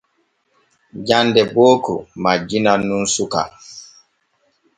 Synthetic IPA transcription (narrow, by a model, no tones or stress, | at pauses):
d͡ʒandɛboːkṵmad͡ʒinanunsuka̰